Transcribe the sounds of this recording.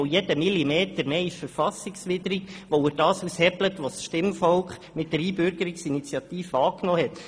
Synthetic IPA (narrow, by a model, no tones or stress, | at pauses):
jɛd̥əmilimeːtəɾmeːɪʃfəɾfɑsɪksʋɪdəɾikʋoɪd̥ɑːsushɛblətʋosʃtɪmfɔlkχmɪt̚d̥əɾiːbʏɾɡəɾiksinit͡sjɑt̪iːfəɑːknɔːhɛt